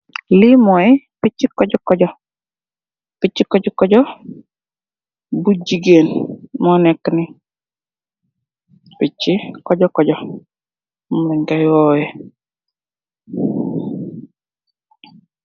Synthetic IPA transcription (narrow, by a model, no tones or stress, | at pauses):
lɪmɔɛ | pɪt͡ʃɪkɔd͡ʒɔkɔd͡ʒɔ | pɪt͡ʃɪkɔd͡ʒɔkɔd͡ʒɔ | bud͡ʒiɡenmɔnɛknɪ | pɪt͡ʃːɪkɔd͡ʒɔkɔd͡ʒɔ | mlɛɲɡaɪwɔɛ